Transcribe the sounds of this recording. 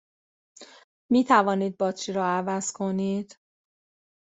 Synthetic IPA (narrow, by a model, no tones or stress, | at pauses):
miːt̪ʰævɒːniːd̪̚bɒːt͡ʃʰiɾɒːævæz̥kʰo̞niːd̪̥